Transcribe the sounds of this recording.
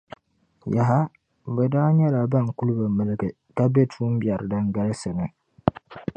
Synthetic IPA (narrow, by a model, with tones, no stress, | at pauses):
ja˨ɦa˦ | bɛ˨daː˦ɲɛ˦la˨ba˦˨ŋ˨ku˦lɨ˦ba˨mɨ˨lɨ˦ɡɨ˨ | ka˦be˦tʰuː˦m˦bja˨ɾdɨ˦ŋɡa˦lsɨ˨nɨ˨